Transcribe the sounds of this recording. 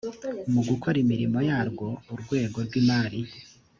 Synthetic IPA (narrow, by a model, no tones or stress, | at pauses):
umuɡukʰoɾimiɾimo̞jaːɾɡo̞uɾɡwe̞ːɡo̞ɾɡwimaːɾi